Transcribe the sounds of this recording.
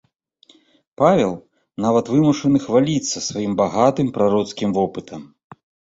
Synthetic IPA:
pavʲɛlˠ | navɐt̪vɨmuʂɐnɨxvalʲit̪sːɐsvajimbaɣat̪ɨmpɾaɾɔt̪skʲimvɔpɨt̪ʰɐm

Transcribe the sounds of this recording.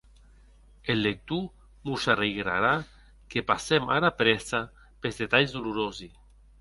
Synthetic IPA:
elːek̚t̪u | musareɣɾa̰ɾa | kepasemaɾapɾɛsa | pezðet̪aʎzd̪uluɾozi

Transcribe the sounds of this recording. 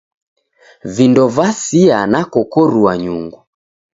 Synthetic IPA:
vindɔvasianakɔkɔɾuaɲuŋɡu

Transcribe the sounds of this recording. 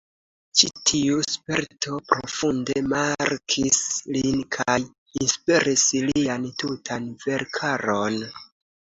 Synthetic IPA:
t͡ʃitʰiuspe̞ɾtʰo̞pɾo̞funde̞maɾkʰislinkʰaj | inspiɾisliantutʰanve̞ɾkʰaɾo̞n

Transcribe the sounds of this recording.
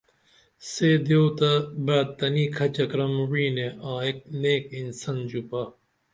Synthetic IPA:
seːd̪jot̪ɐbaːd̪̚t̪ːɐniːkʰɐt͡ɕɐkɾɐmwiːneãːek̚neːkinsɐnd͡ʑupɐ

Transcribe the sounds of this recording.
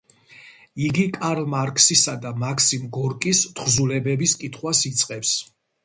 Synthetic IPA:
iɡikʼaɾlˠmaɾkʰʼsisad̪amakʰsimɡɔɾkʼist̪ʰχzulɛbɛbiskʼit̪ʰχwasit̪sʼqʼɛps

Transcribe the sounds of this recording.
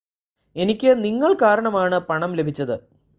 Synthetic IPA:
e̞nikʲːɨniŋːɐɭkaːɾɐɳɐmaːɳɨpɐɳɐmle̞bʱit͡ɕːɐðɨ

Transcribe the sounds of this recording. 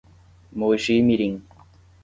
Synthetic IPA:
moːɕiːmiɾiŋ

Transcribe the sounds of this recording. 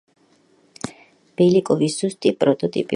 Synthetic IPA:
b̥ɛlikʼɔvisz̥ust̪ʼipʼɾɔt̪ʼɔt̪ʼḭpʼi

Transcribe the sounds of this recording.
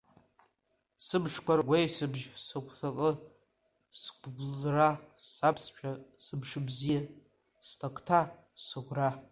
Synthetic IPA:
sɨbʂkʷarɡʷejsɨbʒsakʷʰʼθakʼə | sɡʷɡʷlrasapʰsʃᶣasɨbʂɨbzija | stʰʼakʷʰʼtʰa | sɨɡʷra

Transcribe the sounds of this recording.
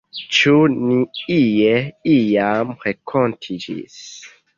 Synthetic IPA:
t͡ʃuniijeijamɾekʰontʰid͡ʒḭs

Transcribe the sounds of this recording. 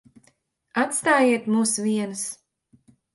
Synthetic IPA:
at̪st̪aːjiɛt̪muːsvʲiɛnɨs

